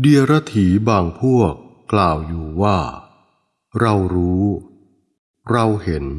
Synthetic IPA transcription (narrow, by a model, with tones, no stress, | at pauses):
di˧əɾa˦˥t̪ʰiː˩˦baː˨˩ŋpʰu˥˩əkː | laː˨˩wjuː˨˩waː˥˩ | ɾa˧wɾuː˦˥ | ɾa˧whe˩˦n